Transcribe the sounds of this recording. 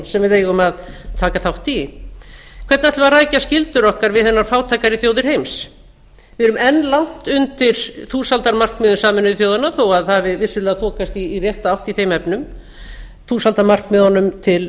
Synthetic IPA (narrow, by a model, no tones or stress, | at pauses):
sɛmvɪðeːjɣʏmaðt̪ʰaːkaθawht̪i | kʰvɛɾt̪nat̪ʰlvaɾraːjcascɪlt̪ʏɾɔhkaɾvɪðθɛnːaɾ̥faːwt̪ʰaːjkaɾɪθjoːwðɪɾ̥hejms | vɪɾʏmɛnːlawn̥t̪ʏnt̪ɪɾ̥θuːsalt̪aɾmar̥kmʏːðʏsaːmɛnʏθjoːwðanaθowaðθavɪvɪ̥sʏlɛːɣaθʰɔːkast̪iːrjɛht̪aawht̪iθejmɛpnʏm | θuːsalt̪aɾmar̥kmʏːðanʏmt̪ʰɪl